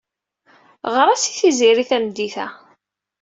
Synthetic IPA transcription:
ʁɾˤæsiθiziɾiθæmd̪iθæ

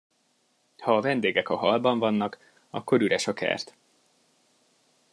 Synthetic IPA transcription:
hɒːvɛnd̪eːɡɛkɒɦɒlbɒɱvɒnːɒk | ɒkːo̞ɾyɾɛʃɒkɛ̰rt̪

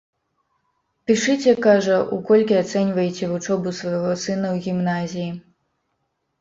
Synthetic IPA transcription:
pʲiʂɨt͡sʲɛkaʐɐʔukɔlʲkʲiat̪sɛnʲvɐjet͡sʲɛvut͡ʂɔbusvɐjɣɔsɨn̪ɐwɣʲimnazʲiji

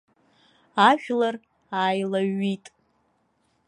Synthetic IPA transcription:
aʒᶣlar | aːjlaɥitʼ

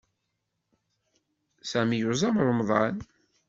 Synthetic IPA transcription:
sæmijʊzˤɑmɾˤəmðˤɑ̰n

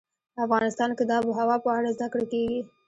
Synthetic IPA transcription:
afɣɑnɪst̪ɑnkɪd̪ɑbəɦawɑpəaɽazd̪akɽekeɡi

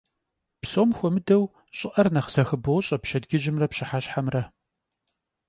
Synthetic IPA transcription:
psoːmxʷɔmɨdɐw | ɕʼɪʔɐrnɐχz̥ɐxɨbɐwɕʼɐpʃɐdɡɪʒɪmrɐpɕɪħaɕħamrɐ

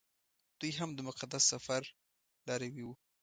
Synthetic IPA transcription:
d̪̥ujɦamd̪əmʊqad̪asːafaɾ | lɑɾawiwu

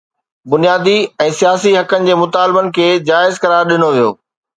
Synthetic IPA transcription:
bʊnijaːd̪iɛ̃ːsijaːsiɦɐkənɪ̆d͡ʑeːmʊt̪aːlbənɪ̆kʰeːd͡ʑaːɪzkɐɾaːɾɗɪnoʋijo̰ː

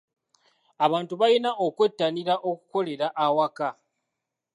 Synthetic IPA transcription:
aβaːntuβajinaʔokwe̞tːaniɾaʔo̞ku̥ko̞le̞ɾaʔawaka

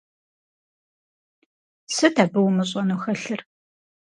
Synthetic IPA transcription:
sɨdʰaːbɨwmɨɕ̬ʼɐnuxɐɬɨr

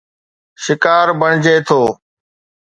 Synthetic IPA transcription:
ʃɪkaːɾbəɳd͡ʒeːt̪ʰoː

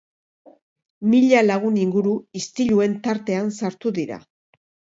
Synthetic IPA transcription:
miʎalaɣ̞uniŋɡuɾuist̪iʎue̞nt̪aɾt̪e̞ansaɾt̪uðiɾa̰

